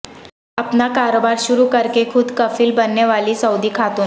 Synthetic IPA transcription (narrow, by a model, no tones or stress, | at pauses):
apnakaɾobaɾɕuɾuːkəɾkekʰuːd̪kəfiːlbənːeʋaliːsəwd̪iːkʰat̪o